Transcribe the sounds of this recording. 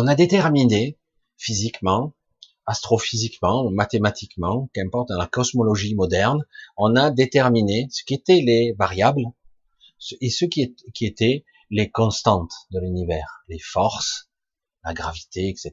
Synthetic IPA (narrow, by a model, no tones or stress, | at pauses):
ɔ̃nad̪et̪ɛʁmine | fizikmɑ̃ | ast̪χɔfizikmɑ̃mat̪emat̪ʰikmɑ̃kɛ̃mpɔʁt̪̚d̪ɑ̃lakɔsmɔlɔʒimɔd̪ɛʁnɔ̃nad̪et̪ɛʁminesə̥kʲiet̪ɛlevaʁjabl | səesəkʲiekʲiet̪ɛ | lekɔ̃st̪ɑ̃t̪d̪əlynivɛːʁlefɔʁs | la̰ɡʁavit̪eɛkset̪